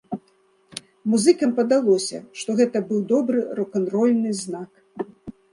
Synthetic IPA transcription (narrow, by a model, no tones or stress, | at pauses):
muzɨkɐmpɐd̪alˠɔsʲɐ̰ʂt̪ɔɣɛt̪ɐbɨwd̪ɔbɾɨɾɔkɐnɾɔlʲnɨznak